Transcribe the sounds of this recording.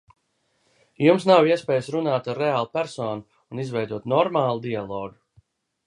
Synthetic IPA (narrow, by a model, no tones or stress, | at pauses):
jumsnawiɛspʲɛːjəsɾunaːt̪aɾːeaːlˠupæɾsɔːnu | unizvɛjd̪uɔt̪nɔɾmaːlˠud̪ialˠɔːɡu